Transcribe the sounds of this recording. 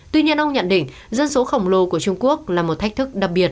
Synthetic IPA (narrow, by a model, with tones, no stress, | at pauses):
t̪wi˧ɲi˧ənʔə˧wŋ͡mɲə̰˧˨nɗḭ̈˧˩˨ŋ | zə˧nso˨˦xə˧˩wŋ͡mlo˨˧˩ku˧˩ət͡ɕʊ˧ŋ͡mku˦˥ək̚laː˨˩mo˨˩t̚t̪ʰjk̚t̪ʰɨ˦˥k̚ɗa˨˩p̚ɓi˨˩ət̚